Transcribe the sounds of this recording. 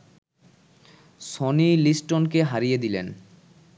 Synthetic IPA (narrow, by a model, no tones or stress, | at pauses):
ʃonilisʈonkeɦaɾijed̪ilḛn